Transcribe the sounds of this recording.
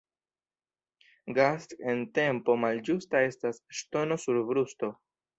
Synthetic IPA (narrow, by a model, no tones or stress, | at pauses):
ɡaste̞nte̞mpo̞mald͡ʒustae̞stasʃto̞no̞suɾbɾusto̞